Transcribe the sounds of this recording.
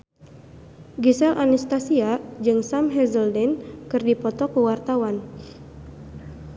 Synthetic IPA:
ɡisɛlʔanist̪asiad͡ʒɨŋsamɦɛzəldɛnkɨrdipɔt̪ɔkuwart̪awan

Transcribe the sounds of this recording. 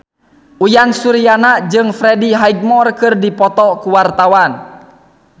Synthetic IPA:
ujansuɾijanad͡ʒɨŋfɾɛdiɦaiɡ̚mɔrkɨrdipɔt̪ɔkuwart̪awan

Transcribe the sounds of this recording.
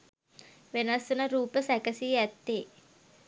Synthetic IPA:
ʋenasunəɾuːpəsækəsiæt̪ːe

